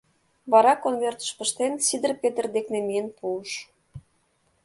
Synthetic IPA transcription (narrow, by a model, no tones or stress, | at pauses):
βɑɾɑkonmert̪ə̥̆ʃpə̆ʃt̪ensid̪ə̆rpet̪ə̆rd̪eknemijənpuəʃ